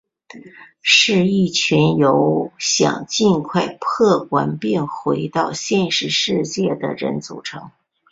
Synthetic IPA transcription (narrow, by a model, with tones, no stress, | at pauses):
ʂɻ̩˥˧i˥˩t͡ɕʰɥɛ˧˥njo˧˥ʊɕjɑ̰˨˩ŋt͡ɕi˥˧nkʰwa˥˩ɪpʰɤ˥˩kwa˧˥npjɛ˥˩nxwe˧˥ɪt̪ɑ˥˧ʊɕjɛ˥˧nʂɻ̩˧ʂɻ̩˥˧t͡ɕjɛ˥˩d̪ə̰˩ɻə̰˧˥nt͡sṵ˨˩ʈ͡ʂʰɤ̰˧˥ŋ